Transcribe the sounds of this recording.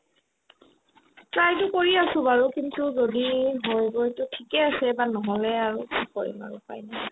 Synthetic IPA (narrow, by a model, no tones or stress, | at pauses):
pɹajtʊkoɹiasʊ̃baɹukintuzodiɦojbɔtʊtʰikɛasɛbanɔɦɔlɛaɹukikɔɹḭma̰ɹṵpa̰jna